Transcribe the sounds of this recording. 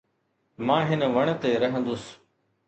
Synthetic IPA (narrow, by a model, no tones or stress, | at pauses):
mãːɦɪnʋəɳ̃t̪eːɾɐɦə̃nd̪ʊs